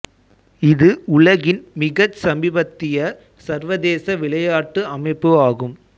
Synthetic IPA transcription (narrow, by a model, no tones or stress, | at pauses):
ɪðɯʊɭɐɣɪnmɪɣɐsɐmɪbɐt̪ːɪjɐ | sɐɾʋɐðeːsɐʋɪɭɐjaːʈːɯɐmɐɪpːɯaːɣɯm